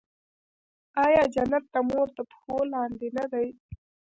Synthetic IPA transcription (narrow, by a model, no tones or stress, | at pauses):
ɑjɑd͡ʒanat̪ːamoɾt̪apxolɑːnd̪enad̪aj